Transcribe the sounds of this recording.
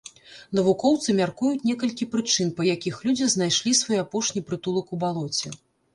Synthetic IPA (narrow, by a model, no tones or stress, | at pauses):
n̪ɐvukɔwt̪sɨmʲarkujut͡sʲnʲɛkɐlʲkʲipɾɨt͡ʂɨnpɐjakʲixlʲud͡zʲiznajʂlʲisvɔjapɔʂnʲipɾɨt̪ulˠɐkubalˠɔt͡sʲɛ